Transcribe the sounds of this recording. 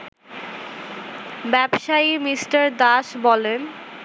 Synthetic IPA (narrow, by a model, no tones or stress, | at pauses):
bɛbʃaimisʈaɾd̪aʃbɔlen